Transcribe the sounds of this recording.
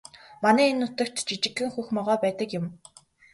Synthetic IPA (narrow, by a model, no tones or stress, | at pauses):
manæːenːʊt̪ə̆kt̪t͡ɕit͡ɕɪ̆ɡɘ̆ŋxuxmɔʁɔːpæːt̪ə̆kjʊm